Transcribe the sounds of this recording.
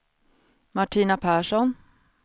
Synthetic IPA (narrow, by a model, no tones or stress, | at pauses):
maʈʰiːnapʰæːʂɔn